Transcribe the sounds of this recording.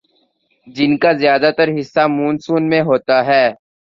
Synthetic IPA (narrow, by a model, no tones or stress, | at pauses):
d͡ʒɪnkaːzɪjaːd̪aːt̪əɾɦɪsːaːmuːnsuːnmẽɦoːt̪aɦɛː